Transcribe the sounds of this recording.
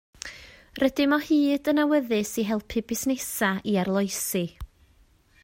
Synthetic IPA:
rədɪmɔhiːdənawəðɨsiɦɛlˠpʰɨbɪsnɛsaiarlˠɔjsi

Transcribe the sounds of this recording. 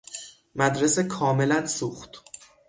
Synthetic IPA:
mæd̪ɾesekʰɒːme̞lænsuːxt̪

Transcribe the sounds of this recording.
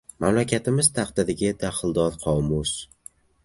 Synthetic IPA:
mamlakʲʰat̪ʰɪmɪz̥t̪ʰaqd̪ad̪ɪɡʲad̪aχɨlˠd̪ɒðqʰɒwmus

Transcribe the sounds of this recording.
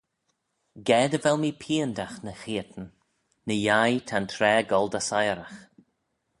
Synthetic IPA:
ɡɛːd̪əvɛlˠmipʰiːəndaxnəxiːət̪n̩ | nəjajt̪ʰant̪ʰɾɛːɡɔldasajɾax

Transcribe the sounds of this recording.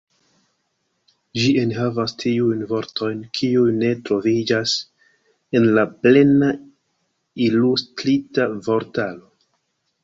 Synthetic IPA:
ʒienɦavastʰiujnvo̞ɾto̞jnkʰiujne̞tɾo̞vid͡ʒas | e̞nlaple̞na | ilustɾitavo̞ɾtalo̞

